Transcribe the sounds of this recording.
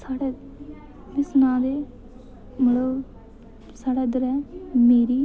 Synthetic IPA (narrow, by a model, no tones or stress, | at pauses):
saːɽɛː | d̪ɪsnãːd̪eː | məɽo | saːɽɛːd̪əɾɛːmeːɾiː